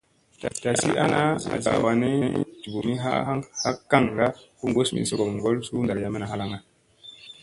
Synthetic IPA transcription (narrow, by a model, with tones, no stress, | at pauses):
ta˨ta˨sḭ˦ʔa̰˦na˦a̰˨za̰˨wa˨ne˦ḭ˦tu˨bo˨mi˦ɦa̰˦ha˦kːa˦˨ŋɡa˦ku˦ŋɡo˦smḭ˨so˦˨ɡo˨m˨ŋ˨ɡo˦lsu˦nda˨ɾja˦me˦na˨ɦa˦la˦ŋa˦